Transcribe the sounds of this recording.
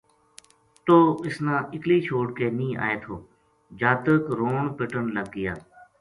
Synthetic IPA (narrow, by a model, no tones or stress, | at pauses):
t̪oːɪsnãːʔɪkliːt͡ʃʰoːɽkeːnĩːa̰ːeːt̪ʰoː | d͡ʒaːt̪əkɾoːɳpɪʈənləɡ̚ːɪjaː